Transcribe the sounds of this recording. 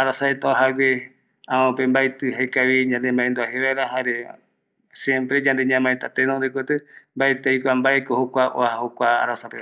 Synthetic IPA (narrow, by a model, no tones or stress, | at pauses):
aɾasaet̪oaɦawe | ããpembajt̪ɨɦajkaβid͡ʒãnd̪embãẽnd̪uaɦeβaɾaɦaɾe | sjẽmpɾed͡ʒãnd̪eɲãmãet̪at̪enõnd̪ekʷet̪ɨmbaet̪ejkʷambaekohokʷaʔoahahokʷaa̰ɾasape